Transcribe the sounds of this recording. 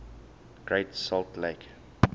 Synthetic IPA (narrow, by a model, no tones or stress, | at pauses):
ɡ̥ɹeɪtsɔltleɪk